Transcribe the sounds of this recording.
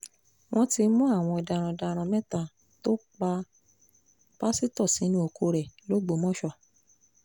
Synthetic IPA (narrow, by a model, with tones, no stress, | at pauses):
w̃ɔ̃˦ti˧mũ˦a˦˨w̃ɔ̃˧i˧da˧ɾ̃ã˧da˧ɾ̃ã˧mɛ̃˦tã˧˨ | to˦k͡pa˧ | b̥a˦si˦tɔ˦˨si˨˦nũ˦o˧ko˧ɾɛ˨lo˦ɡ͡bo˨˦mɔ̃˦ʃɔ˦˨